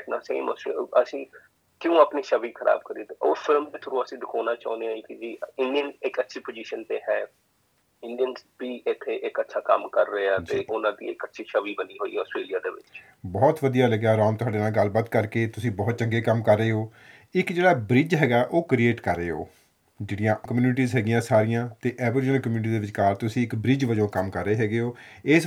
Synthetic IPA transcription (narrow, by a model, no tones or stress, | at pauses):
na̰ːsḛḭ̃ːmɔ̰sḛːəsĩː | kɪjõːaːpniːʃəʋiːkʰəɾʔa̰ːb̚kəɾiːt̪eoːpʰɪlmt̪eːt̪ʰʊɾũːəsĩːd̪ɪkʰoːnaːt͡ʃa̰ːũneaːiːkɪd͡ʒiːɪnɖijənɪkətːʃʰiːpoːd͡ʒiːʃənt̪eːɦɛː | ɪɳɖijənsbiːʔɪt̪ʰːeːʔɪkətːʃʰaːkəmkəɾːəeːɛːtd͡ʒ̪eːʔʊnãːd̪ḭːɪkətːʃʰiːʃəʋiːbəniːɦoːḭɛɔːsʈɾeːlijaːd̪eːʋɪ̰t͡ʃ | bɔːt̪ʋəd̪ijaːləɡjaːɾɔːmt̪ʊɦaːɖeːnaːlɡəlbaːt̪kəɾkeːt̪ʊsĩːbɔːt̪̚t͡ʃəŋɡeːkəmkəɾːəeːɦoː | ɪkd͡ʒeːɽaːbɾɪd͡ʒɦɛːɡaːʔoːkɾieːʈkəɾːəeːɦo̰ː | d͡ʒeːɽɪjãːkəmjuːnɪʈiːzɦɛːɡɪjãːsaːɾijãːt̪eːʔɛːʋəɾɪd͡ʒnəlkəmjuːnɪʈ̬iːd̪eːʋɪt͡ʃkaːɾt̪ʊsĩːɪkbɾɪd͡ʒʋəd͡ʒõːkəmkəɾːəeːɦɛːɡeːɦoː | ɪːs